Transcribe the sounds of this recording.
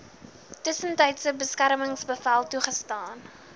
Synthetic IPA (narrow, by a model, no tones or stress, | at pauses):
təsəntəjtsəbəskæɾməŋsbəfælˠtuχəstɑːn